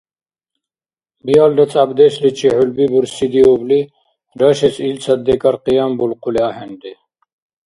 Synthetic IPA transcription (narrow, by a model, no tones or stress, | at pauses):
bijalɖ̪ɐt͡sʼabd̪ɛslit͡ʃʰiħulbibuɾsid̪iɔbli | ɾaʃɛsilt͡sʰad̪ːɛkʼaɾqijambulqʰuliahɛnd̪ɛ